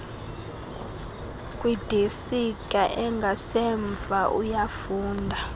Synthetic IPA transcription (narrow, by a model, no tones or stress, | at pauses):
kʼwid̥ʱesikʼaʔɛŋɡʱasɛɱb̪vʱaʔujafuːndʱa